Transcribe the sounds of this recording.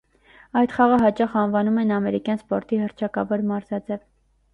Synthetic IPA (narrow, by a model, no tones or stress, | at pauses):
ɑjt̪χɑʁəɦɑt͡ʃɑχɑnvɑnumɛnɑmɛɾikjɑnspɔɾt̪ihəɾt͡ʃʰɑkɑvɔɾmɑɾzɑd͡zɛv